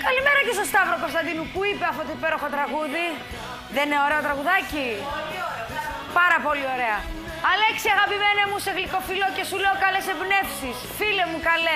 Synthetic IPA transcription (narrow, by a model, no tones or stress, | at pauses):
kɐlime̞ɾɐcesost̪ɐvɾokost̪ɐnd̪inupuipeɐft̪ot̪oipe̞ɾo̞xot̪ɾɐɣuði | ðeneo̞ɾeot̪ɾɐɣuðɐci | pɐɾɐpo̞lio̞ɾe̞ɐ | ɐle̞ksiɐɣɐpime̞nemuseɣliko̞filo̞oce̞suleokɐle̞sebne̞fsisfilemukɐle